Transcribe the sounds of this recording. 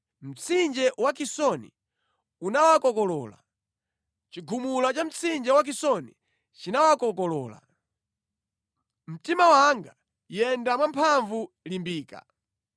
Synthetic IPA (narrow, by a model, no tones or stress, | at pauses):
m̩t͡sʰind͡ʒɛwak̬isɔnḭ | unawakɔkɔlɔːla̰ | t͡ʃiɡʱumulat͡ʃam̩t͡sʰind͡ʒɛwak̬isɔni | t͡ʃinawakɔk̬ɔlɔːla̰ | m̩timawaŋɡa | jɛndamwampʰaɱvu | limbiːka̰